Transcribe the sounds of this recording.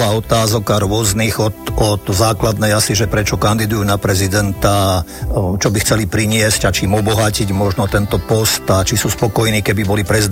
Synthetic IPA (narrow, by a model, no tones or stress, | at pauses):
aːɔt̪aːzɔkaɾʊɔzniɣɔt̪ɔt̪zaːklad̪nɛjasiʒɛpɾɛt͡ʃɔkand̪id̪ujuːnapɾɛzid̪ɛnt̪a | t͡ʃɔbixt͡sɛlipɾiɲɪɛzcat͡ʃimɔbɔɦaciɟmɔʒnɔt̪ɛnt̪ɔpɔst̪at͡ʃisuːspɔkɔjniːkɛbibɔlipɾɛzid̪